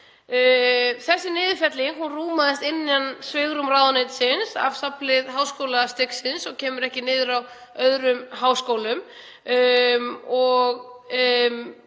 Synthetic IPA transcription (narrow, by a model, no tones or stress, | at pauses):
θɛsːɪnɪːðɪfɛt̪lɪŋhunruːmaðɪst̪ɪnːjansvɪɣɾʏmraːwðɔnɪt̪sɪnsa̰vsaplɪðɦaːwskowlast̪ɪksɪnsɔɣcʰɛːmʏɾɛhcɪnɪːðʏɾaw | œðɾʏmɦaːwskoːwlʏm | mɔɣ | m